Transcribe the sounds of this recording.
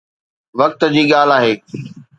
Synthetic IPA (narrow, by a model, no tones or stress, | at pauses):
ʋɐk̚t̪d͡ʑiːɠaːlaːɦeː